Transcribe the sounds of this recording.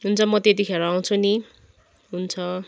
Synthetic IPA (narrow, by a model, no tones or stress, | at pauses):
ɦunt͡sʰʌmʌt̪et̪̬ikʰeɾʌaw̃t͡sʰuni | ɦunt͡sʰʌ